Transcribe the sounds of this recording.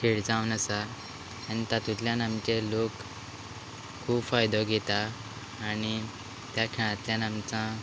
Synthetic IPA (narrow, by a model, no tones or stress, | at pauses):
t̪ʰeɽd͡zãwnəsaː | ñit̪at̪ut̪ljãnamt͡ɕelok | kʰːuːbfajd̪ɔɡʱɛt̪aː | ñi | t̪jakʰɛɽ̃ãt̪ljanamt͡sã